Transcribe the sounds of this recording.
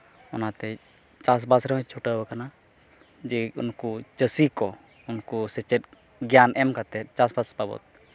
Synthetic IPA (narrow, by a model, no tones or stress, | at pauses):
ɔnat̪ɛ | t͡ʃas̬basɾɛmɛ̃t͡ʃʰuʈəəkana | d͡ʒɛṵnkut͡ʃəsikɔ | unkusɛt͡ʃɛt̚ | ɡjanɛmkat̪ɛt̪t͡ʃasbasbabɔ̰t̪̚